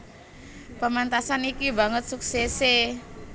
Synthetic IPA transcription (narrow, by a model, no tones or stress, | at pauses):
pəmant̪asanikiba̤ŋət̪̚suksɛse